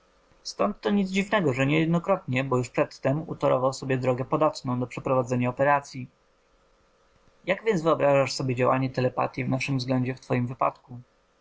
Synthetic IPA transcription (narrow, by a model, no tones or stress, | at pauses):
st̪ɔnt̪ːɔɲid̪zd͡ʑivnɛɡɔʐɛɲɛjɛd̪nɔkɾɔt̪ɲɛbɔjuʂpʂɛt̪ːɛmṵt̪ɔɾɔ̰vawsɔbʲjɛd̪ɾɔɡɛpɔd̪at̪nɔ̃w̃d̪ɔpʂɛpɾɔvad̪zɛɲaɔpɛɾat̪sʲji | jaɡvʲjɛnzvɘɔbɾaʐaʂsɔbʲjed͡ʑawa̰ɲɛt̪ɛlɛpa̰t̪ʲjivnaʂɘmvzɡlɛɲd͡ʑɛft̪fɔjimvɘpa̰t̪ku